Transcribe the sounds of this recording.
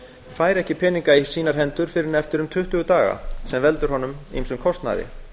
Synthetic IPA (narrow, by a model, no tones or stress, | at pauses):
faːjɾɛhcɪpʰɛniŋkai̥siːnaɾ̥ɦɛnt̪ʏɾ̥fɪɾɪɾnɛft̪ɪɾʏmt̪ʰʏht̪ʏɣʏt̪aːɣa̰sɛmvɛlt̪ʏɾ̥ɦɔnʏmḭmsʏmkʰɔst̪na̰ðɪ̰